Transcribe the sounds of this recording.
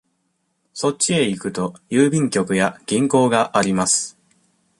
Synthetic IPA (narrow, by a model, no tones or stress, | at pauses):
so̞t͡ɕie̞ikɯ̟t̪o̞jɯːbʲĩŋkʲo̞kɯ̟jaɡ̥ʲĩŋko̞ːɡaʔaɾʲimasɨ̥